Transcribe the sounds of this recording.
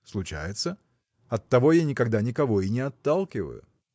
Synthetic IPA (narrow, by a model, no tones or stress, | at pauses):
slˠʊt͡ɕæ̰jɪt̪sə | ɐt̪ːɐvo̞janʲɪkɐɡd̪anʲɪkɐvo̞ɪnʲɪɐt̪ːalˠkʲɪvə̰jʊ̰